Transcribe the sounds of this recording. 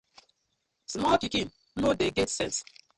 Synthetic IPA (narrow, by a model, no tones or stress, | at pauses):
smɔlkikĩn | nodeɡɛtsɛ̰̃ns